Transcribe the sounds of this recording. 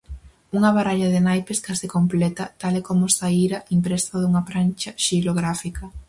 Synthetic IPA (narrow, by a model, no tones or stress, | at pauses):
uŋɐβaɾaʎɐðɪnajpeskasikomplɛt̪ɐt̪alɛkomʊsaiɾɐʔimpɾɛst̪aðuŋɐfɾant͡ʃɐʃiloɣɾafikɐ